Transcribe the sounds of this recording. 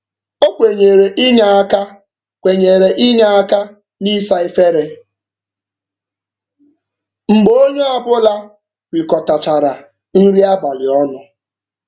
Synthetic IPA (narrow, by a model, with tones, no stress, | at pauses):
o˦kʷe˨ɲe˨ɾe˨ʔi˦ɲa˨a˦ka˦ | kʷe˨ɲe˨ɾe˨ʔi˦ɲa˦a˦ka˦ | ni˦sa˦e˦fe˦ɾe˦ | ŋ͡m̩˨ɡ͡bo˦ɲo˦a˨bʊ˦la˦ | wʷi˨kɔ˨ta˨t͡ʃa˨ɾa˨ | n̩˦ɾi˦a˦ba˨lɪ˨ɔ˦nʊ˨